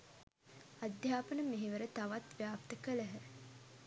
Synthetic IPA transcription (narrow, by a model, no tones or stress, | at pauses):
ad̪jaːpənəmeɦeʋəɾət̪aʋat̪ʋjaːp̚t̪əkələɦə